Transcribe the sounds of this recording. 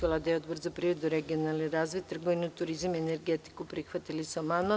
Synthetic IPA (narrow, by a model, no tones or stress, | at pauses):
olˠad̪aeod̪br̩zopɾiʋed̪uɾeɡionalniɾaːzʋit̪ːr̩ɡoʋinut̪uɾizamieneɾɡet̪i̥kupɾixʋat̪ilisuomana